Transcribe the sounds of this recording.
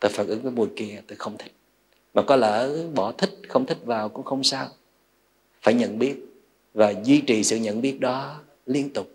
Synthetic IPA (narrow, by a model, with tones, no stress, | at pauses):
t̪oː˧˩jfaː˧˩n̚ʔɨ˨˦ŋvəː˨˦jmu˨˩jki˧˩ə˨˦t̪o˧˩jxə˧wŋ͡mt̪ʰï˦˥k̟̚ | maː˨˩kɔ˨˦ləː˧˩ɓɔ˧˩t̪ʰï˦˥k̟̚xə˧wŋ͡mt̪ʰï˦˥k̚vaː˨˩wkʊ̰˧˥ŋ͡mxə˧wŋ͡msaː˧w | faː˧˩jɲə̰˧˨nɓi˦˥ət̚ | vaː˨˩zwi˧t͡ɕi˨˩sɨ̰˧˨ɲə̰˧˨nɓi˦˥ət̚ɗɔ˨˦ | li˧ənt̪ʊ˨˩k͡p̚